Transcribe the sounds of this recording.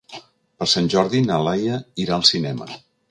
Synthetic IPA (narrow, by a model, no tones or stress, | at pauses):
pəɾsanʲʒɔɾðinəlajəiɾaəlˠsinɛmə̰